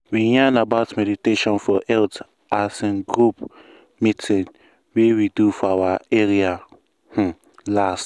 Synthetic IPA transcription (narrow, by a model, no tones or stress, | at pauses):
wijãnabaʊtmɛditeʃɔ̃nfɔʔɛlt | asĩnɡɾup | mitʰĩn | wewidufɔawaeɾia | h̩ | last